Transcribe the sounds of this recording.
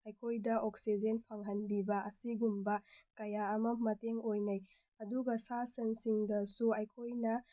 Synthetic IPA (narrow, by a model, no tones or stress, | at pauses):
ɐjkʰojdɐʔoksid͡ʒenpʰaŋɦɐnbibɐʔɐsiɡumbɐkɐjaɐmɐmɐteŋojnɐj | ɐduɡɐsasɐnsiŋdɐsuɐjkʰojnɐ